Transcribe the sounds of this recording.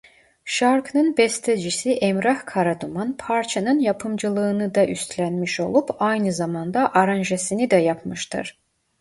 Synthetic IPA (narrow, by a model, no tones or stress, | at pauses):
ʃaɾknɯnbɛst̪ʰed͡ʒisiʔɛmɾahkʰaɾad̪umanpʰaɾt͡ʃʰanɯnjapʰɯmd͡ʒɯlˠɯːnɯd̪aʔyst̪ʰlʲænmiʃo̞̰lˠupʰajnɯzamand̪aʔaɾanʒesinid̪ɛjapʰmɯʃt̪ʰɯ̰ɾ̥